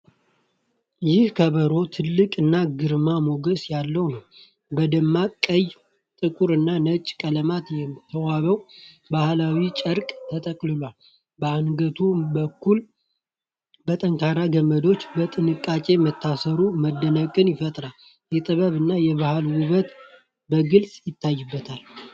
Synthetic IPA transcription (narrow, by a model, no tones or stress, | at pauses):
jɪhkʰəβəɾo̞t̪ʰɨlːɨkʼɨnːaɡɨɾmamo̞ɡəsjalːəwnəw | bəd̪əmːakʼəj | t̪ʼɨkʼuɾɨnːanət͡ʃʼːkʼələmat̪jɛmt̪ʰːəwaβəw | bahlawit͡ʃʼəɾkʼt̪ʰət̪ʼəkʼlɨlwal | bəanɡət̪ʰubəkːul | bət̪ʼəŋkʰaɾaɡəməd̪o̞t͡ʃːbət̪ʼɨnɨkʼːat͡ʃʼe̞mət̪ʰːasəɾuməd̪ːənəkʼɨnjɪfət̪ʼɾal | jɛt̪ʼɨβəβɨnːajɛβahalwʊβət̪ | bəɡɨlsʼjɪt̪ʰːajːɨbːət̪ʰal